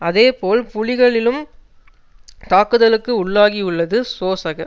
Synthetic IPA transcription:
ɐðeːpoːlpʊɻɪɣɐɭɪlɯm | t̪aːkɯðɐlɯkːɯʊɭːaːɣiʊɭːɐðɯsoːsɐɣɐ

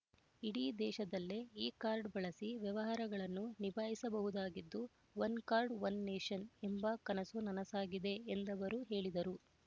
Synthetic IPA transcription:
iɽiːd̪ɛːʃɐd̪ɐlːeiːkaːɾɖbɐɭɐsiʋjɛʋɐɦɐɾɐɡɐɭɐnːunibʱaːɦisɐbɐɦud̪aːɡid̪ːu | ʋɐnkaːɾɖʋɐnːeːʃɐnembɐkɐnɐsunɐnɐsaːɡid̪e̞ːnd̪ɐʋɐɾuɦe̞ːɭid̪ɐɾu

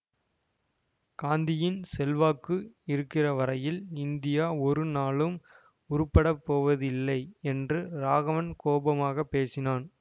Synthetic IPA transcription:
kaːnd̪ɪjɪnsɛlʋaːkːɯɪɾɯkːɪrɐʋɐɾɐjɪlɪnd̪ɪjaːɔɾɯnaːɭɯm | ʊɾʊpːɐɽɐpːoːʋɐðɪlːɐɪɛndrɯɾaːɣɐʋɐnkoːbɐmaːɣɐpːeːsɪnaːn

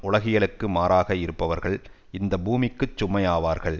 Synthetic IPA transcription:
ʊɭɐɣɪjɐɭɯkːɯmaːɾaːɣɐɪɾɯpːɐʋɐɾɣɐɭ | ɪnd̪ɐbuːmɪkːɯt͡ʃːʊmːɐɪjaːʋaːɾɣɐɭ

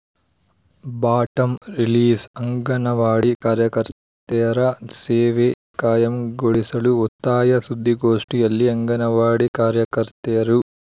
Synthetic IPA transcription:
baːʈɐmɾiliːsɐŋɡɐnɐʋaːɽikaːɾjɐkɐɾt̪ɛjɐɾɐseːʋe | kaːjɐmɡoɭisɐɭuɔt̪ːaːjɐsud̪ʱːiɡoːʂʈijɐlːiɐŋɡɐnɐʋaːɽikaːɾjɐkɐɾt̪ɛjɐɾu

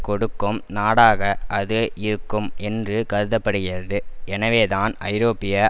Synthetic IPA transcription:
kɔɽɯkːɯmnaːɽaːɣɐʔɐðɯʔɪɾɯkːɯmʔɛndrɯkɐɾɯðɐpːɐɽɯɣɪɾɐðɯɛnɐʋeːðaːnʔɐɪɾoːpɪjɐ

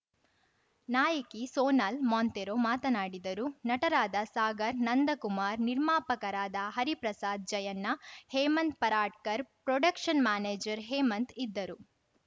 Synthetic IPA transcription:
naːjɐkisoːnaːlmoːnt̪eɾoːmaːt̪ɐnaːɽid̪ɐɾunɐʈɐɾaːd̪ɐsaːɡɐɾnɐnd̪ʱɐkumaːɾniɾmaːpɐkɐɾaːd̪ɐɦɐɾipɾɐsaːd̪̚d͡ʒɐjɐnːɐheːmɐnt̪̚pɐɾaːʈ̚kɐɾpɾɔɖɐkʂɐnmaːneːd͡ʒɐɾɦeːmɐnt̪id̪ːɐɾu

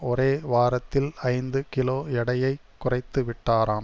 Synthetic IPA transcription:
ɔɾeːʋaːɾɐt̪ːɪlɐɪnd̪ɯkɪloːjɛɽɐjɐɪkːʊrɐɪt̪ːɯʋɪʈːaːɾaːm

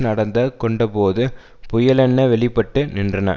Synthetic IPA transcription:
nɐɽɐnd̪ɐkɔɳɖɐpoːðɯ | pʊjɐlɛnːɐʋɛɭɪpːɐʈːɯnɪndrɐnɐ̰

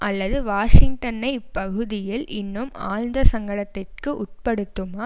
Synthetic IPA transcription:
ʔɐlːɐðɯʋaːʂɪŋɡʈɐnɐɪpːɐɣɯðɪjɪlɪnːɯmaːlnd̪ɐsɐŋɡɐɭɐt̪ːɪrkɯʔʊʈ̚pɐɽɯt̪ːɯmaː

